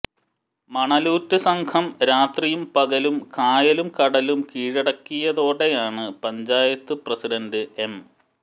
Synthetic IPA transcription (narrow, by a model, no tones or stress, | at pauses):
mɐɳɐluːtːɨsɐŋkʰɐmɾaːt̪rijumpɐɣɐlumkaːjɐlumkɐɽɐlumkiːɻɐɽɐkːijɐðo̞ːɽe̞jaːɳɨpɐɲd͡ʑaːjɐt̪ːɨprɐsiɖɐndɨʔe̞m